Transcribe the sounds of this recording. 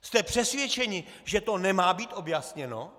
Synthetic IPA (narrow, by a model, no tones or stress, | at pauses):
st̪ɛpr̥ɛsvʲjɛt͡ʃɛɲɪʒɛt̪o̞nɛmaːbiːt̪o̞bjasɲɛno̰